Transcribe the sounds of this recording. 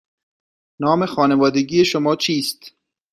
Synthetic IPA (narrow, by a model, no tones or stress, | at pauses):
nɒːmexɒːnevɒːd̪eɡijeʃomɒːt͡ʃʰiːst̪